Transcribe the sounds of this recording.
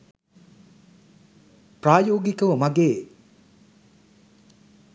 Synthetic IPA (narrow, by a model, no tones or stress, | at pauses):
pɾaːjoːɡikəwəmɐɡeː